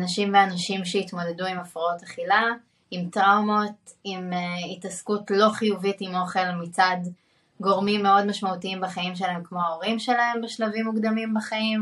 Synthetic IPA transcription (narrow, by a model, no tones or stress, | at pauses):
naʃimveanaʃimʃeit̪mo̞de̞duimafʁao̞taχila | imtʁawmo̞t | imitaskutlo̞χijuvitimo̞χe̞lmit͡sad̪ | ɡo̞ʁmimːe̞o̞dmaʃmautiimbaχaimʃ̬elaɦemkmo̞aoʁimʃe̞lahe̞mbeʃlavimːuɡd̪amimbaχaim